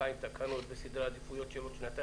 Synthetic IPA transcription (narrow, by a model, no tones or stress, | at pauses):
aint̪akʰanot̪besid̪ɾad̪ifujot͡ʃelot͡ʃnat̪a